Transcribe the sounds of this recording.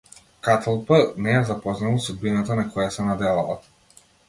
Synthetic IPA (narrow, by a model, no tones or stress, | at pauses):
kat̪ʰalˠpanɛjazapɔznalˠsud̪̚binat̪anakʰɔjasɛnad̪ɛlˠalˠa̰